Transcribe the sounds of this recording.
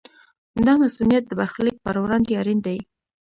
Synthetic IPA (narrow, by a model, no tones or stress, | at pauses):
d̪ɑmasunijat̪̚d̪əbaɾxlik̚pəɾwɾɑnd̪eɑɾind̪aji